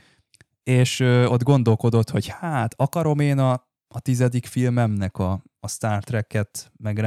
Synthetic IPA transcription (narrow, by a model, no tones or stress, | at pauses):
eːʃøːo̞d̪ɡo̞n̪d̪o̞lko̞d̪o̞t̪ho̞ɟhaːt̪ʰɒkɒɾo̞meːnɒː | t̪izɛd̪ikfilmɛmnɛkɒː | st̪aːrt̪rɛkːɛt̪mɛɡra